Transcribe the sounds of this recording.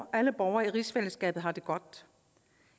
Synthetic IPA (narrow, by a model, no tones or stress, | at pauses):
ʔæləb̥ɒʊɐiʁisfel̰əsɡ̥ɛ̰ːb̥ð̩ˠɦɑ̈d̥e̝ɡ̥ɒ̽d̥